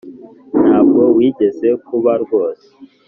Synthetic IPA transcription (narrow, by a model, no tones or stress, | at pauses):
n̥haːbɡo̞wiːɟe̞ze̞kuβaɾɡo̞ːse̥